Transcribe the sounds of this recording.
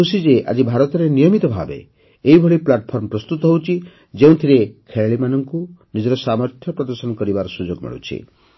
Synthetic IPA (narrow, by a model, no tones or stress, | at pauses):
kusid͡ʒeʔa̰d͡ʒibʱaɾɔt̪ɔɾenijɔmit̪ɔbʱa̰bḛː | ibʱɔɭiplaʈɔpʰɔɾmɔpɾɔst̪ut̪ɔɦowt͡ʃʰi | d͡ʒeũt̪ʰiɾekʰeɭɭimanɔŋkunid͡ʒɔɾɔsamɔɾt̪ʰjɔpɾɔd̪ɔɾsɔnɔkɔɾibaɾɔsud͡ʒoɡmḭɭṵt͡ʃʰḭ